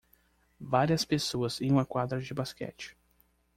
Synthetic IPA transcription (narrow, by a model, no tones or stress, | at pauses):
vaɾiɐspesoɐzĩj̃ũmɐkwad̪ɾɐd͡ʒɪbaskɛ̰t͡ʃɪ̥